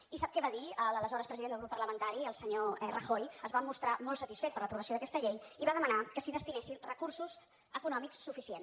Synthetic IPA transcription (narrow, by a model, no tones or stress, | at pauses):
isap̚kɛβaðiələləzɔɾəpɾəziðend̪əlɣɾupːəɾləmənt̪aɾiəlˠsəɲoɛrəxojəzβamust̪ɾamɔlˠsət̪isfɛt̪̚pəɾləpɾuβəsioðəkɛst̪əʎejiβaðəmənakəsiðəst̪inesinrəkursuz | əkunɔmikssːufisien